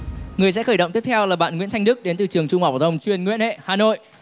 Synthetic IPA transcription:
ŋɨ˨˩əjs̬ɛ̰˧˥xəː˧˩jɗə̰˧˨ŋ͡mt̪i˦˥əp̚t̪ʰɛ˧wlaː˨˩ɓa̰ː˧˨nŋḭ˧˥nt̪ʰa˧jŋ̟ɗɨ˦˥k̚ɗe˨˦nt̪ɨ˨˩t͡ɕɨ˨˩əŋt͡ɕʊ˧ŋ͡mhaː˨˩w̪ə˧˩wŋ͡mt͡ɕwi˨˩ənŋwḭ˧˥nhḛ˧˨haː˨˩no̰˧˨j

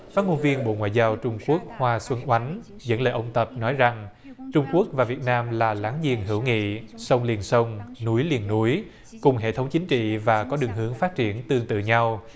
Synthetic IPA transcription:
faː˦˥t̚ŋo˧nvi˧ənɓo̰˧˨ŋwa̰ː˧˨jzaː˧wt͡ɕʊ˧ŋ͡mku˦˥ək̚hwaː˧swə˧nʔwa˨˦jŋ̟ | zə̰˧˥nləː˨˩ʔə˧wŋ͡mt̪ə˨˩p̚nɔ˨˦jza˨˩ŋ | t͡ɕʊ˧ŋ͡mku˦˥ək̚vaː˨˩vi˨˩ət̚naː˧mlaː˨˩laː˨˦ŋzḭ˨˩ənɦɨ̰˧˩əwŋḭ˧˨sə˧wŋ͡mli˨˩ənsə˧wŋ͡mnu˨˦jli˨˩ənːu˨˦j | kʊ˨˩ŋ͡mɦḛ˧˨t̪ʰwŋ͡mt͡ɕï˨˦ŋ̟t͡ɕḭ˧˨vaː˨˩kɔ˨˦ɗɨ˨˩ŋɦɨ˨˦əŋfaː˦˥t̚t͡ɕi˧˩ənt̪ɨ˧əŋt̪ɨ̰˧˨ɲa˧w

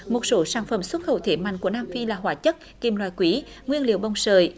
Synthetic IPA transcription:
mo˨˩t̚so˨˦saː˧˩nfə˧˩mswə˦˥t̚xə̰˧˩wt̪ʰe˨˩ma̰˧˨ŋku˧˩ənaː˧mfi˧laː˨˩ɦwaː˨˦t͡ɕə˦˥t̚ki˨˩mlwaː˧˨jkwi˨˦ | ŋwi˧ənlḭ˧˨əwɓə˨˩wŋ͡msəː˨˩j

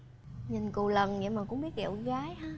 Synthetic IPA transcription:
ɲi˨˩nku˨˩lə˨˩nɲḭ˧˥maː˨˩kʊ̰˧˥ŋ͡mɓi˦˥ət̚ʔḭ˧˨əwɣaː˨˦jhaː˦

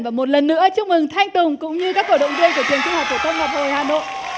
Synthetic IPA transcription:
nvaː˨˩mo˨˩t̬̚lə˨˩nːɨ̰˧˥ət͡ɕɨ˦˥ək̚mɨ˨˩ŋt̪ʰa˧jŋt̪ʊ˨˩ŋkʊ̰˧˥ŋ͡mɲɨ˧kaː˦˥k̚ːo̰˧˩ɗə̰˧˨wŋ͡mvi˧ənku˧˩ət͡ɕʰi˨˩əŋt͡ɕɨ˧ŋhaː˨˩k̚t̪o˧˩t̪ʰə˧wŋ͡mma˨˩p̚ho˨˩jhaː˨˩no̰˧˨jʔ

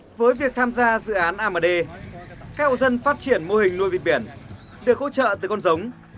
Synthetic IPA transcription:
vəː˨˦jvi˨˩ək̚t̪ʰaː˧mzaː˧zɨ̰˧˨ʔaː˨˦nʔaː˧məː˧˩ɗe˧kaː˦˥k̚o̰˧˨zə˧nfaː˦˥t̚t͡ɕi˧˩ənmo˧hï˨˩ŋ̟nu˧jvi˨˩t̚ɓi˧˩ən | ɗɨ˨˩ək̚ho̰˧˥t͡ɕə̰ː˧˨t̪ɨ˨˩kɔ˧nzə˨˦wŋ͡m

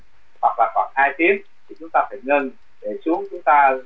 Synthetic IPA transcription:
hwa˨˩k̚laː˨˩xwaː˧˩nhaː˧jt̪i˨˦ən | t̪ʰi˨˩t͡ɕʊ˨˦ŋ͡mt̪aː˧faː˧˩jŋə˧n | ɗe˧˩t͡ɕʊ˨˦əŋ͡mt͡ɕʊ˨˦ŋ͡mt̪aː˧

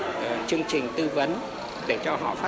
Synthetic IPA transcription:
t͡ɕɨ˧əŋt͡ɕï˨˩ŋ̟t̪ɨ˧və˨˦n | ɗe˧˩t͡ɕɔ˧ɦɔ̰˧˨faː˦˥

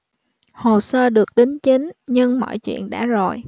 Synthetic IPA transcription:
ho˨˩səː˧ɗɨ˨˩ək̚ɗi˨˦ŋt͡ɕi˨˦ŋɲɨ˧ŋmɔ̰˧˨jt͡ɕwḭ˧˨ənɗa̰ː˧˥zo˨˩j

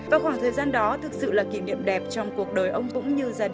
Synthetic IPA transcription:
vaː˨˩xwaː˧˩ŋt̪ʰəː˨˩jzaː˧nɗɔ˨˦t̪ʰɨ˨˩k̚sɨ̰˧˨laː˨˩ki˧˩nḭ˧˨əmɗɛ˨˩p̚t͡ɕɔ˧wŋ͡mku˨˩ək̚ɗəː˨˩jʔə˧wŋ͡mkʊ̰˧˥ŋ͡mɲɨ˧zaː˧

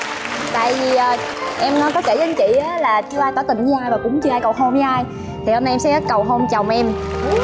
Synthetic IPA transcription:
t̪a̰ː˧˨jvi˨˩ʔəː˨˩ | ʔɛ˧mː˨˦kɔ˨˦ke˧˩zə˨˦nt͡ɕḭ˧˨ʔaː˨˦laː˨˩t͡ɕɨ˧əʔaː˧jkɔ˨˦t̪ï˨˩ŋ̟ɲɨ˦ʔaː˧jvaː˨˩kʊ̰˧˥ŋ͡mt͡ɕɨ˧ʔaː˧jkə˨˩wɦo˧mɲɨ˧˦ʔaː˧j | t̪ʰi˨˩ho˧na˧ʔɛ˧msɛ̰˧˥˦kə˨˩wɦo˧mt͡ɕə˨˩wŋ͡mʔɛ˧m

